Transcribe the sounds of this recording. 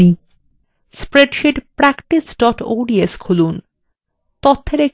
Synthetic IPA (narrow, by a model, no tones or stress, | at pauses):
i | spɾeɖʃiʈpɾakʈisɖɔʈo̰ːɖieskʰulun | t̪ot̪ʰːeɾe